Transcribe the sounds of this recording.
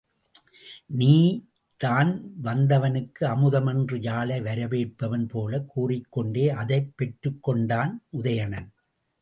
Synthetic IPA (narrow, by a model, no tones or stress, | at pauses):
niː | t̪aːnʋɐnd̪ɐʋɐnɯkːɯɐmɯðɐmɐndrɯjaːlɐɪʋɐɾɐʋeːʈ̚pːɐʋɐnpoːlɐkːuːrɪkːɔɳɖeːʔɐðɐɪpːɛʈɾɯkːɔɳɖaːnʔʊðɐjɐɳɐn